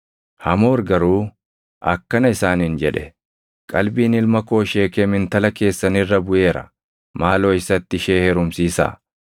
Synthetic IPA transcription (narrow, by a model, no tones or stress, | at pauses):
hɐmo̞ːɾɡɐɾuː | ʔɐ̰kːɐnɐɪsaːnhɪnd͡ʒɛᶑɛ | kʼɐlbiːnɪlmɐko̞ːʃe̞ːkeːmɪnt̪ɐlɐke̞ːsːɐnɪrːɐbʊʔe̞ːɾɐ̰ | maːlo̞ːɪsɐt̪ːɪʃeːhɛɾʊmsiːsa̰ː